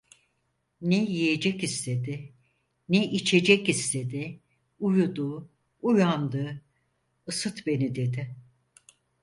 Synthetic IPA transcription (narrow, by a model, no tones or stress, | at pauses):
nɛjije̞d͡ʒɛkist̪ʰe̞d̪ɪ | nɛʔit͡ʃʰe̞d͡ʒɛcist̪e̞d̪ɪ | ujud̪uː | ujand̪ɯː | ɯsɯt̪be̞nid̪e̞d̪ɪ